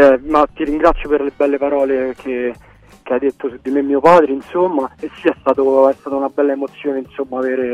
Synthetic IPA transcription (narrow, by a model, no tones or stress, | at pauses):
ɛmat̪ːiɾiŋɡɾat̪sːjoperlebːɛlːepaɾɔːlekʰe | k̟ead̪ːet̪ːosud̪ːimemːiːopaːd̪ɾeinsomːaesːiɛst̪aːt̪oɛst̪aːt̪aunabɛlːaemot̪sːjoːnensomːaveːɾe